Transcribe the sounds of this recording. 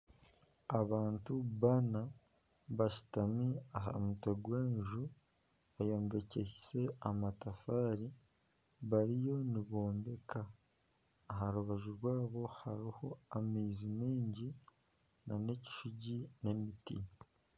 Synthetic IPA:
aβaːntuβana | βaʃi̥tamiaɦa̰mutoɡweːɲʒu | ajo̞ːmbe̞ceise̞amatafaːɾi | βaɾijo̞niβo̞ːmbe̞kʰaː | ɦaɾuβaʒuɾwaːβo̞haɾiho̞amiːzimiːɲɟi | nane̞ci̥ʃuɟine̞mitḭ

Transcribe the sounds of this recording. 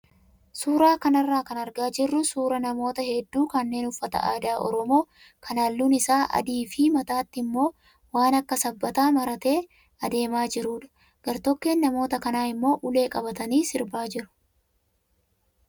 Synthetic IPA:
suːɾaːkɐnɐrːaːkɐnɐɾɡaːd͡ʒɪrːʊsuːɾɐnɐmo̞ːt̪ɐhɛd̪ːuːkɐnːe̞ːnʊfːɐt̪ɐ̰ʔaːd̪aːʔɔ̰ɾɔmo̞ː | kʰɐnɐlːuːnɪsaːʔɐ̰d̪iːfɪmɐt̪aːt̪ːɪmːo̞ː | waːnɐkːɐsɐbːɐt̪aːmɐɾɐt̪e̞ː | ɐd̪e̞ːmaːd͡ʒɪɾuːᶑɐ̥ | ɡ̥ɐɾt̪ɔkːe̞ːnːɐmo̞ːt̪ɐkɐnaːɪmːo̞ːʔʊle̞ːkʼɐbɐt̪ɐniːsɪɾbaːd͡ʒɪɾʊ̥

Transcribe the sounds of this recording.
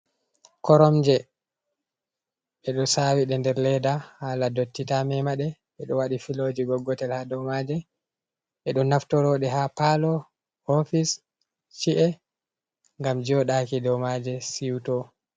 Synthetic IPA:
kɔɾɔmd͡ʒɛ | ɓɛɗɔsawiɗɛndɛɾlɛdahaːladotːitamɛmaɗɛ | ɓɛɗɔwaɗifilod͡ʒiɡɔɡːɔtɛlhadɔwmad͡ʒɛ | ɛɗɔnaftɔɾɔɗɛɦapalɔ | hofis | t͡ʃiʔɛ | ŋɡamd͡ʒɔɗakidɔwmad͡ʒɛsiwtɔ

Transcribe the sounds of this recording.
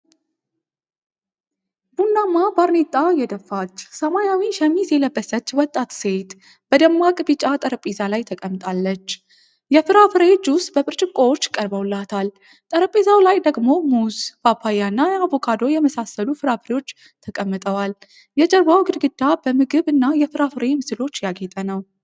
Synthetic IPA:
b̥unːamːabaɾnet̪ʼːajɛd̪əfːat͡ʃːsəmajawiʃəmisɛləbːəsət͡ʃːwɔt̪ʼːat̪set̪ | b̥əd̪əmːakʼɨbɨt͡ʃʼat̪ʼəɾəpʼizalajt̪ʰəkʼəmːt̪ʼalːət͡ʃː | jɛfɨɾafɨɾet͡ʃːust̪ʼbəpʼɨɾt͡ʃʼɪkʼowot͡ʃːkʼəɾbəwlːat̪ʰal | t̪ʼəɾəpʼizawlajd̪əɡmo̞muzbapʰːajanːajavokʰad̪o̞jɛməsasːəlufɨɾafɨɾewo̞t͡ʃː | t̪ʰəkʼəmːɨt̪ʼəwal | jɛd͡ʒʼəɾbawɡɨd̪ɡɨd̪ːabəmɨɡɨβɨnːajɛfɨɾafɨɾemɨsɨlo̞t͡ʃːjaɡet̪ʼənəw

